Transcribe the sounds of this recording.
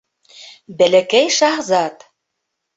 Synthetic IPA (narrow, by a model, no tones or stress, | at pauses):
bɘ̆lɘ̆kejʃɑʁzɑt̪